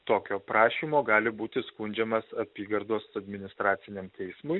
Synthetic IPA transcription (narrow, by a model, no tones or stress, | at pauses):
t̪oːkʲoːpɾɑːʃʲiːmoːɡɑːlʲɪbuːt̪ʲɪskʊnʲd͡ʒʲɛmɐsɐpʲiːɡɐɾd̪oːsɐd̪ʲmʲɪnʲɪst̪ɾɑːt̪sʲɪnʲɛmt̪ʲɛɪsmʊj